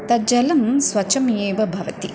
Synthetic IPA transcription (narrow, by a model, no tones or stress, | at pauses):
t̪ɐd͡ʒɐlɐmsʋɐt͡ʃɐmjeːʋɐbʱɐʋɐt̪i